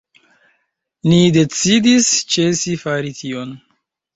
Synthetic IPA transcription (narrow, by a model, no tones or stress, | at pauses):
nide̞t͡sidist͡ʃe̞sifaɾitʰion